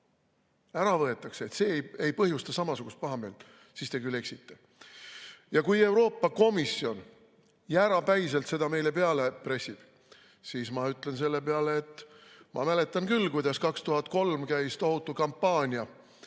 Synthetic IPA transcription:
æɾɑvɤ̞et̪ːˑɑkseet̪se̞ːjejpɤɦjust̪ɑsɑmɑsuɡ̥ust̪̚pɑɦɑme̞ːlt̪ | sist̪e̞kylːe̞ksit̪ːe̞ | jɑkuje̞wɾo̞ːpːɑko̞misːio̞n | jæɾɑpæjselt̪se̞d̪ɑme̞jle̞pe̞ɑle̞pɾe̞sib̥ | siːsmɑyt̪ːˑle̞ns̬e̞lːe̞peɑleːt̪ːˑmɑ̰mæle̞t̪ˑːɑnkylːkujd̪̥ɑskɑkst̪uɦɑt̪̚ko̞lmkæjst̪o̞ɦut̪ːˑukɑmpːɑːnʲiɑ

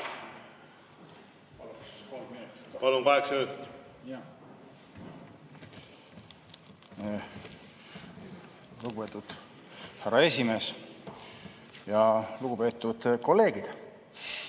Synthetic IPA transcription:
plkolminipɑlumkɑeksøːt̪t̪ | luɡupeːt̪ːˑud̪̥ | hæɾɑe̞sʲime̞ːs | jɑluɡ̥upe̞ːt̪ːˑud̪̥ko̞lːe̞ːɡid̪̥

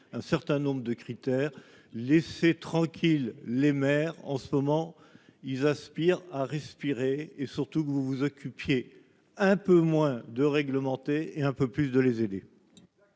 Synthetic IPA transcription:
ɛ̃sɛʁt̪ɛ̃nɔ̃bʁəd̪əkχit̪ɛːʁ | lɛset̪χɑ̃kʲʰilːemɛʁɑ̰̃səmɔmɑ̃ | ilzaspiʁaʁɛspiʁeːsyʁt̪ukəvuvuzɔkʲʰypje | ɛ̃pømwɛ̃d̪əʁɛɡləmɑ̃t̪eeɛ̃pøplysd̪əlezed̪e

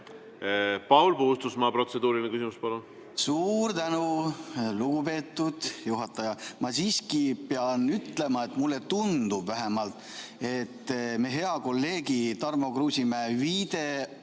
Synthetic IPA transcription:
pɑwlpuhust̪usmɑpɾo̞t̪se̞d̪uːɾilnekysʲimuspɑlun | suːrt̪ænuluɡ̥upe̞ːt̪ːˑud̪̥juɦɑt̪ːˑɑjɑmɑsiːskipeɑnyt̪le̞mɑe̞t̪ˑmulːe̞t̪und̪̥ubvæɦe̞mɑlt̪ˑe̞t̪ːme̞ɦe̞ɑko̞lːe̞ːɡit̪ɑrmo̞kruːsʲimeviːd̪̥e̞

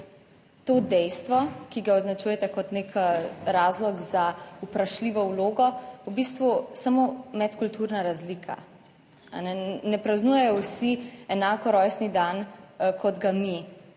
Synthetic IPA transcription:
t̪oːd̪ɛjst̪ʋɔkiɡaɔznat͡ʃujɛt̪ɛkɔt̪nekɾaːzlɔɡzaupɾaʃliːʋɔwloːɡɔubist̪ʋusamomɛt̪kult̪uɾnaɾazlikʰa̰ | a̰nɛnɛpɾaznuːjɛjɔwsiɛnaːkɔɾɔjsnid̪ankʰɔd̪ɡami

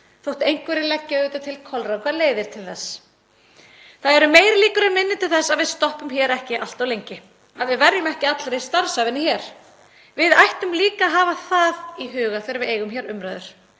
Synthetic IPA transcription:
θowht̪ejŋ̥kvɛɾɪlɛcːaʏːt̪ʏt̪ʰɪlkʰɔlrakʰvaːðleːjðɪɾ̥t̪ʰɪlθɛsː | θaðɛɾʏmeːjɾliːkʏɾɛmɪnːɪt̪ʰɪlθɛsːaðvɪðst̪ɔhpʏmçɛːɾɛhcɪʔal̥t̪awlejɲcɪ | aðvɪðvɛɾjʏmɛhcɪat̪lɾejst̪aɾsavɪnːɪçɛɾ̥ | vɪðajht̪ʏmliːkaɦaːvaθaðiɦʏːɣafɪɾvɪðeːjɣʏmçɛːɾʏmɾœðʏɾ̥

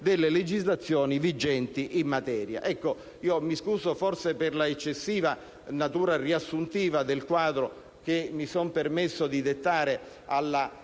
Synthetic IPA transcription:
d̪elːeled͡ʒizlat̪sːjɔːnivid͡ʒɛnt̪iʔimːat̪ɛːɾja̰ʔɛkːo | iːomiskuːsoforsepɪrlaet͡ʃːesːiːva | nat̪uːɾariasːunt̪iːvad̪elkwaːd̪ɾo | k̟emːisɔmpermesːod̪id̪et̪ːaːɾe | alːa

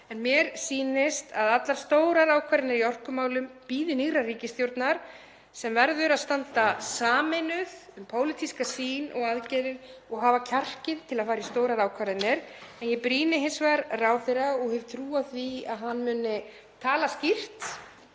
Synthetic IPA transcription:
ɛnmjɛɾ̥siːnɪst̪aðat̪laɾ̥st̪oːwɾaɾaːwkʰvaɾɪnɪɾiɔr̥kʏmaːwlʏmpiːðɪniɣɾariːcɪsθjowɾt̪naɾ̥ | sɛmvɛɾðʏɾaðst̪ant̪asaːmɪnʏð̥ʏmpʰoːwlɪt̪ʰiskasiːnʔɔ̰ɣaðcɛːɾɪðɔɣɦaːvacʰar̥cɪðt̪ʰɪlaðfaːɾaist̪oːwɾaɾaːwkʰvaɾðɪnːɪɾ̥ɛnjɛpɾiːnɪɦɪnsvaɾraːwθeɾaɔɣhɛvt̪ʰɾuːaðθviaðɦanːmʏːnɪ | t̪ʰaːlascir̥t̪

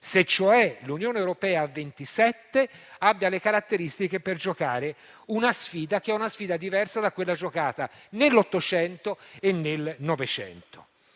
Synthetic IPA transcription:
set͡ʃːoɛlunjoːneewɾopɛːaːvːent̪isɛt̪ːeabːjalekaɾat̪ːeɾist̪ikeperd͡ʒokaːɾe | unasfiːd̪akeɛunasfiːd̪ad̪ivɛrsad̪akːwelːad͡ʒokaːt̪anelːɔt̪ːot͡ʃɛnt̪oenːelnɔvet͡ʃɛ̰nt̪o̥̰

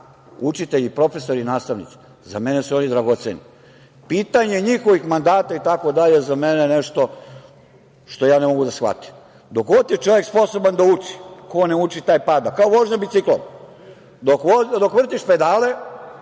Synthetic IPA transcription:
ut͡ʃit̪e̞ʎipɾo̞feso̞ɾinaːst̪aʋnḭt̪si̥ | za̰menesuo̞nid̪ɾaɡot̪seni | piːt̪aɲeɲixo̞ʋixmand̪aːt̪ait̪ako̞d̪aʎezameneneʃt̪o̞ | ʃt̪o̞jaːnemo̞ɡud̪asxʋa̰t̪i̥m | d̪o̞kot̪ːjet͡ʃo̞ʋjekspo̞so̞band̪aut͡ʃi̥koneut͡ʃit̪aːjpaːd̪akaoʋoʒɲabit̪siklo̰m | d̪okod̪o̞kʋr̩t̪iʃped̪aːle

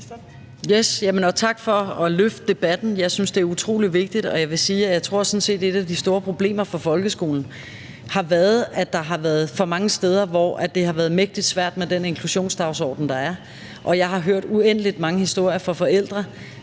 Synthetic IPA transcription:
jesjæmənɒ̽t͡sʰɑ̈ɡ̥fɒ̽ɒ̽løfd̥̚d̥e̝b̥æd̥n̩jɑ̈ɪsynsd̥e̝æɐut͡sʰʁo̝̰ːliʋe̝ɡ̥̚d̥id̥ɒ̽jɑ̈ɪʋe̝siːæjɑ̈ɪt͡sʰʁo̝ɐ̰sɒ̽n̩se̝̰ːd̥e̝d̥æd̥isd̥o̝ːɐpʰʁo̝b̥le̝̰ːmɐfɒ̽fɒ̽lɡ̥əsɡ̥o̝̰ːln̩ | hɑ̈ʋæːɐð̞̩ˠæd̥ɑ̈ɦɑ̈ʋæɐð̩ˠfɒ̽mɑ̈ŋəsd̥eːð̞ˠɐʋɒ̰ʔæd̥e̝ɦɑ̈ʋæːɐðˠmeɡ̥̚d̥id̥sʋæɐ̰d̥med̥ene̝nkʰluɕo̝̰ːnsd̥ɑ̈ʊsɒ̰ːd̥n̩d̥ɑ̈æɐ | ʔɒ̽jɑ̈ɪɦɑ̈ɦøɐ̰d̥uen̰əlid̥mɑ̈ŋəhisd̥o̝ɐ̰jɐfɒ̽fɒ̽el̰d̥ʁɐ

